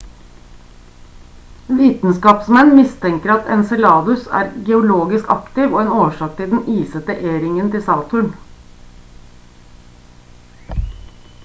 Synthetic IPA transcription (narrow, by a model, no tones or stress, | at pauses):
ʋiːt̪n̩skɑːpsmɛnmɪst̪ʰɛŋkəɾɑt̪ɛnsɛlɑːd̪ʉsæ̰ːɾɡɛʊloːɡɪskɑ̰kt̪ɪʋoːeːnoːʂɑːk̚t̪ʰɪld̪n̩iːsət̪əʔeːɾɪŋənt̪ʰɪsɑːt̪ʰʉɳ